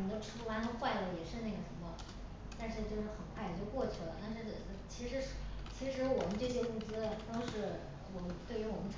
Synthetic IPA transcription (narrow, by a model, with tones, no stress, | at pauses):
d̪o˥˧ʈ͡ʂ̩ʰ˥u˥˩wa˥nə˥xwa˥˩ɪlə˥˩jɛ˨˩ʂɻ̩˥˧na˥˩ɡə˩ʂə˧˥nmə˧ | t̪a˥˧nʂɻ̩˥˧t͡ɕjo˥˧ʊʂɻ̩˥˩xə˨˩nkʰwa˥˩ɪ˨˩t͡ɕjo˥˧ʊkwɔ˥˩t͡ɕʰy˥˩lə̰˩na˥˧˩ʈ͡ʂɤ˥˩ə˥˩˥t͡ɕʰi˧˥ʂɻ̩˧˥ʂt͡ɕʰi˧˥ʂɻ̩˧˥wɔ˨˩mə˦nʈ͡ʂɤ˥˩ɕ̬jɛ˥˧mu˥˩t͡sɹ̩˥lt̪ɑ˥ŋʂɻ̩˥˩ | wɔ˨˩mə˦nt̪we˥˩ɪy˧˥wɔ˨˩mə˦nʈ͡ʂʰ